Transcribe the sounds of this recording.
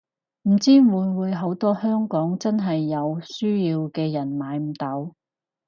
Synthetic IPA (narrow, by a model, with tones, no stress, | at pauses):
m̩˨˩t͡siː˥muː˨˧jwuː˨˧jɦo˨˥wt̪ɔː˥hœː˥ŋkɔː˨˥ŋt͡sɐ˥nɦɐ˨jːɐ˨˧wsyː˥jiː˧wkɛː˧jɐ˨˩nmaː˨˧jm̩˨˩t̪ɐ˨˥w